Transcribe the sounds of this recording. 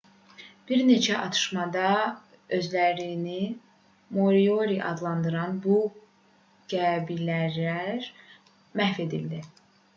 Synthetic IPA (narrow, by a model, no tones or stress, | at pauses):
b̥iɾne̞t͡ʃʰæʔɑt̪ʰɯ̥ʃmɑd̪ɑ | ø̞zlæɾini | mo̞ɾioɾiʔɑ̰d̪lˠɑnd̪ɯɾɑnbu | ɡ̥æbilæɾæɾ | mæhfe̞d̪ild̪i